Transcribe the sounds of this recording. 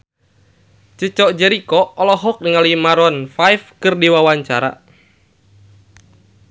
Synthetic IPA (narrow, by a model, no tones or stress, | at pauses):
t͡ʃət͡ʃɔʔd͡ʒɛɾikɔɔlɔɦɔk̚dəŋalimaɾɔnfajfkɨrdiwawaɲt͡ʃaɾa̰